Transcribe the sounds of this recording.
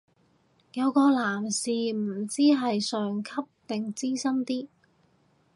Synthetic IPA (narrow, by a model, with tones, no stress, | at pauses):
jɐ˨˧wkɔː˧laː˨˩msiː˨m̩˨˩t͡siː˥ɦɐ˨jsœː˨ŋkʰɐ˥p̚t̪ɪ˨ŋt͡siː˥sɐ˥mt̪iː˥